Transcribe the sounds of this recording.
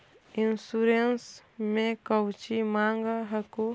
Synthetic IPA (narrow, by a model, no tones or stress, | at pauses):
ɪnsuɾensmẽkəwt͡ʃimãːŋɡaɦɐko